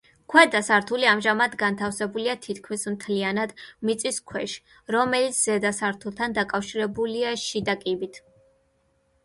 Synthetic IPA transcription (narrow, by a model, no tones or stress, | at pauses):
kʰwɛd̪asaɾt̪ʰuliamʒamad̪ɡant̪ʰafsɛbuliat̪ʰit̪ʰkʰmismt̪ʰlianad̪mit̪sʼiskʰwɛʃ | ɾɔmɛlit̪sʰz̥ɛd̪asaɾt̪ʰulˠt̪ʰand̪akʼafʃiɾɛbuliaɛʃid̪akʼibit̪ʰ